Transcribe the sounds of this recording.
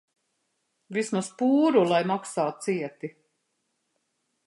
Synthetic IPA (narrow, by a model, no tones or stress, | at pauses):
vismaspuːɾulˠajmaksaːt̪̚siɛt̪i